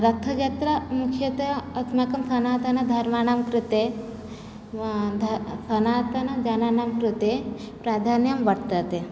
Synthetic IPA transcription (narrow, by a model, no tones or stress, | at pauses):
ɾɐt̪ʰːɐd͡ʒɐt̪ɾɐmukʰjɐt̪ɐɐt̪makɐmsɐnaːt̪ɐnɐd̪ʱɐɾmaːnamkɾut̪e | d̪ʱsɐnaːt̪ɐnɐd͡ʒɐnaːnaːmkɾut̪e | pɾaːd̪ʱaːnjɐmʋɐɽt̪ɐt̪e